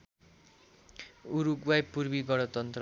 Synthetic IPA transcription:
uɾuɡwajpːuɾbiɡʌɽ̃ʌt̪ʌnt̪r

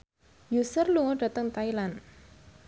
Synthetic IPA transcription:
jusərluŋɔɖ̥ä̤t̪əŋt̪ailan

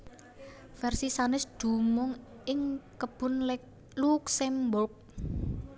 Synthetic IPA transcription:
fɛrsisanɪsd̪̥ṳmʊŋ | ɪŋkəb̥ʊ̤nlɛk̚ | luksɛmbɔk̚

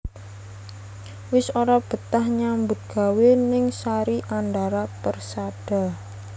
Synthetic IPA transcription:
wɪsoɾab̥ə̤t̪ahɲambʊt̪̚ɡ̥a̤wenɪŋsaɾiʔand̪aɾapərsaɖ̥a̤

